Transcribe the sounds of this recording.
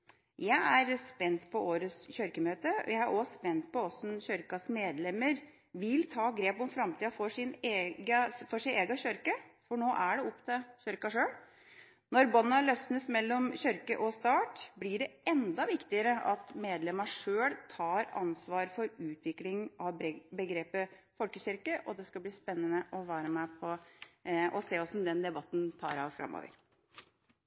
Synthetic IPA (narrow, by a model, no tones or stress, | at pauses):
jæɪæɾspɛnt̪pʰɔoːɾəsçœɾkəmøːt̪əɔ̰jæɪæɾʔɔspɛnt̪̚pɔɔsɔn̩çœɾkɑsmeːd̪lɛmːəɾ | ʋɪlt̪ʰɑːɡɾeːpɔmfɾɑmt̪ʰiːɑfɔʂɪneːɡəfɔʂɪneːɡɑɕœɾkəfɔɳoːʔæɖɛɔpt̪ʰəçœɾkɑʂøːɽ | nɔɾbɔnːɑlœsnəsmɛlːɔmçʏɾkəʔɔst̪ɑːʈblɪɖɛʔɛnd̪ɑʋɪkt̪ɪəɾəʔɑt̪meːd̪lɛmɑʂøːlt̪ʰɑːɾɑ̰nsʋɑːɾfɔɾʉːt̪ʰʋɪklɪŋʔɑʋbəɡɾeːpəfɔlkəɕʏɾkəʔɔd̪ɛskɑbliːspɛnːənəʔɔʋæːɾəmæpʰɔ | ɔseːɔsɔmd̪ɛnd̪ɛbɑt̪ːnt̪ʰɑ̰ːɾɑ̰ːʋfɾɑ̰mːo̰ːʋə̰ɾ